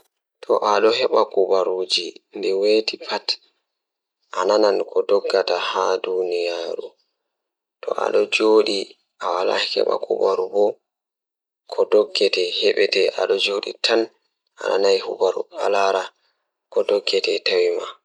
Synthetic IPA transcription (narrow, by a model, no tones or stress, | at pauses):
tʰɔʔaɗɔɦɛɓakubaɾuːd͡ʒindɛwetipʰat | ʔananankʰɔdɔɡːatahadunijaɾṵ | tɔ̰ʔa̰ɗɔd͡ʒoːɗi | ʔawala̰hɛ̰ɓa̰kʰṵbaɾubɔ | kʰɔdɔɡːɛtɛhɛɓɛtɛʔa̰ɗɔd͡ʒoːɗḭtʰan | ʔa̰nʔa̰najhubaɾṵa̰laɾa | kɔdɔɡːɛtɛtawima